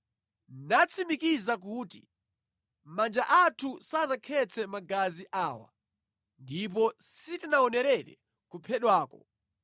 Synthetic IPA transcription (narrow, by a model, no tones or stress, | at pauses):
nat͡sʰimikizak̬uːti | mand͡ʒaʔatʰusanakʰɛt͡sʰɛmaɡaziʔaːwa̰ | ndip̬ɔsitinaɔnɛɾɛɗɛ̰ | kupʰɛɗwaːkɔ̰